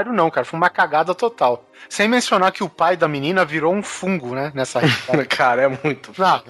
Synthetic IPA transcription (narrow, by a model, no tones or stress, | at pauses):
ɾʊnɐ̃w̃kaɾɐfojũmɐkaɡad̪ɐt̪ot̪aw | sẽj̃mẽsionaɾkɪʊpajd̪ɐminĩnɐviɾowũfũŋɡʊnɛnɛsɐhekʰaɾɐɛmũj̃t̪ʊnɐ̃